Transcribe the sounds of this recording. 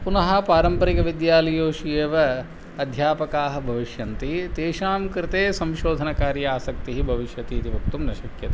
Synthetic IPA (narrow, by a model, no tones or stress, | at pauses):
punɐɦɐ̆paːɾɐmpɐɾikɐʋid̪jaːlɐjoːʃijeːʋɐ | ɐd̪ʱjaːpɐkaːɦɐ̆bʱɐʋiʃjɐnt̪it̪eːʃaːmkɾɪt̪eːsɐ̃mʃoːd̪ʱɐnɐkaːɾjɐaːsɐk̚t̪iɦibʱɐʋiʃjɐt̪iːt̪ibʱɐk̚t̪umnɐʃɐkjɐt̪i